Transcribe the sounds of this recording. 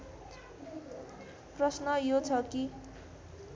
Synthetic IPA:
prʌsnʌjot͡sʰʌki

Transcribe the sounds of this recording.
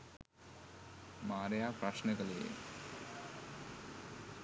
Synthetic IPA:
maːɾɐjaːpɾɐʃnɐɡɐleː

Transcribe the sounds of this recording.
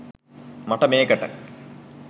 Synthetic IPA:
mɐʈːɐmeːkɐʈːɐ̰

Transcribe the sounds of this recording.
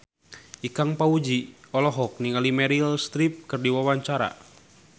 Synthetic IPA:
ʔikaŋpaud͡ʒiɔlɔɦɔk̚niŋalimɛɾilst̪ɾip̚kɨrdiwawaɲt͡ʃaɾa̰

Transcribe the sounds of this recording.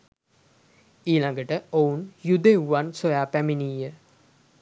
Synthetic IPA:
iːlaŋɡəʈəounjud̪euʋansojaːpæminiːjə

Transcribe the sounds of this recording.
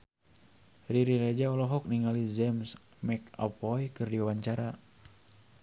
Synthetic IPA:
riɾiɾɛd͡ʒaɔlɔɦɔk̚niŋalizɛms | mɛka̰pɔjkɨrdiawaɲt͡ʃaɾa

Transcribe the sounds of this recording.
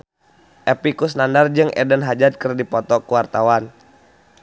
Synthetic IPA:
ʔɛpikusnandard͡ʒɨŋʔɛ̰dənɦad͡ʒat̪̚kərdipɔt̪ɔkuwart̪awan

